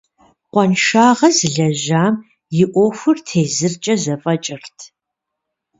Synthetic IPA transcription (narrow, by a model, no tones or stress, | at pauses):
qʷɔnʃaːʁɐzɨɮɐʑaːm | jɪʔʷɔxʷʊrtʰeːzɨrt͡ʃʼɐzɐfʼɐt͡ʃʼɪrtʰ